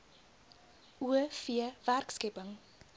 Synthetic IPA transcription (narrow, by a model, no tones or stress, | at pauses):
ʔuəfiəværkskɛpəŋ